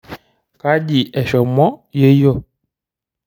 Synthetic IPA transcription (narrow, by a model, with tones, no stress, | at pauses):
ka˦di˨ɛ˨ʃɔ˨mɔ˦je˦jɔ˦˨